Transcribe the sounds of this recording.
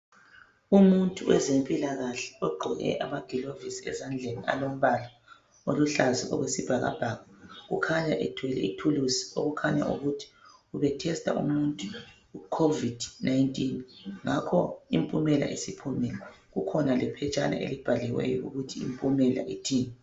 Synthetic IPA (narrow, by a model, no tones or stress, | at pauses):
umuntʼuwɛzempʼilaɣaɬɛ̥ɔɡ͡ǃʱɔɣɛ̰ʔamaɡ̥ʱilovisiɛzand͡ɮʱenia̰lom̩βala | oluɬazɛʔɔ̰ɣwesib̥ʱaɣa̰b̥ʱaɣaɣṵkʰaɲaʔɛtʰwɛlɛ̰itʰulusi̥oɣukʰaɲa̰ʔuɣutʰi̥uβɛtʰɛstʼa̰ʔṵmuntʼu | ukʰovid̥najntʼinŋakʰɔimpʼumɛla̰ʔesipʰumɛla | ɣukʰɔnalɛpʰɛt͡ʃʼana̰ʔḛlib̥ʱalɛwɛ̰jɔuɣutʰiimpʼumɛla̰ʔitʰiːnɛ